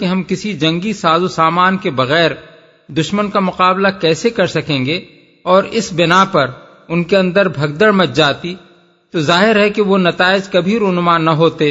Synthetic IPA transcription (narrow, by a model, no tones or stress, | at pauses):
keɦɐmkɪsid͡ʒɐ̃ŋɡisaːzusaːmaːnkebɐɣɛːɾ | d̪ʊʃmənkamʊqaːblakɛːsekɐɾsɐkẽːŋɡe | ɔːɾɪsbɪnapɐɾ | ʊnkeɐ̃nd̪əɾbʱɐɡ̚d̪əɽmɐt̪̚d͡ʒaːt̪i | t̪ozaːɦɪɾɦɛkeʋonɐt̪aːɪd͡ʒkɐbʱiɾʊnʊmaːnːɐɦoːt̪eː